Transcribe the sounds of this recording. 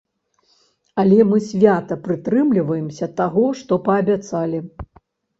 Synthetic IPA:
ɐlʲɛmɨsʲvʲat̪ɐpɾɨt̪ɾɨmlʲivɐjɛmsʲɐt̪aɣɔʂt̪ɔpɐːbʲat̪salʲi

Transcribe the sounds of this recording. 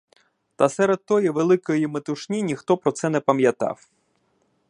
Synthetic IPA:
t̪ɐsɛɾed̪̚t̪ɔjiʋelˠɪkɔjimet̪ʊʃnʲinʲixt̪ɔpɾɔt̪sɛnɛpɐmjɐt̪ɑ̰w

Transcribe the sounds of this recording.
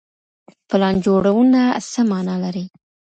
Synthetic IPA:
pəlɑnd͡ʒoɽawunasəmɑnɑlaɾi

